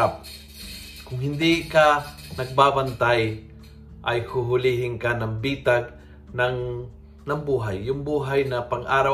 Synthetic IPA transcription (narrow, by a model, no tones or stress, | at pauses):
ap̚ | kʊŋɦɪnd̪ɪkanɐɡ̚baːbant̪aj | ʔɐjhʊɦʊliɦɪŋkanɐŋbiːt̪aɡ̚ | nɐŋ | nɐŋbuːɦajːʊŋbuːɦajnɐpaŋʔaːɾaw